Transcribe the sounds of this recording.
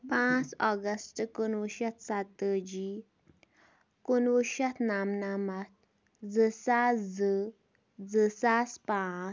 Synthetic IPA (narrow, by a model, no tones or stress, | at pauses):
pãt͡sɔɡəsʈkunʋuʃat̪ʰsat̪əd͡ʑi | kunʋuʃat̪ʰnamnamat̪̚ | d͡zəsad͡zə | d͡zəsaspã